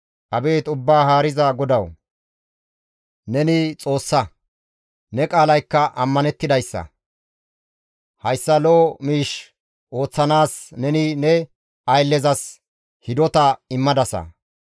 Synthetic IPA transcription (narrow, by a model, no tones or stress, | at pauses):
ʔɐbe̞ːt̪ʊbːaːɦaːɾɪzɐɡɔd̪ɐw | nɛnɪt͡sʼo̞ːsːɐ | nɛkʼaːlɐjkːɐʔɐmːɐnɛt̪ːɪd̪ɐjsːɐ̰ | hɐjsːɐloːmiːʃ | ʔo̞ːt͡sːɐnaːsnɛnɪnɛ | ɐjlːɛzɐs | hɪd̪ɔt̪ɐɪmːɐd̪ɐsɐ̰